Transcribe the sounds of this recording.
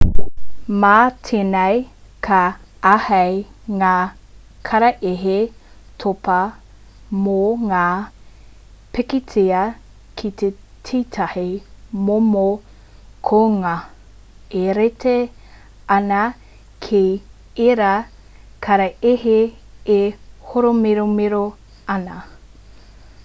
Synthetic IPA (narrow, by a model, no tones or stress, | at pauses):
matʰenɐjkʰɐ | ahɐjŋaː | kʰɐɾɐʔeɦe | tʰopɐ | moŋaː | pekitʰeɐ | kʰit̪e | tʰiːtʰɐhimomo | kʰoŋɐ | eɾete | ɐnɐ | kʰej | eɾa | kʰɐɾɐeɦe | ehoɾomeɾomeɾo | ɐnɐ